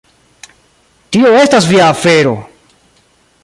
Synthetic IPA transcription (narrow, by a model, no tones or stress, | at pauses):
tio̞e̞stasviaːfe̞ɾo̞̰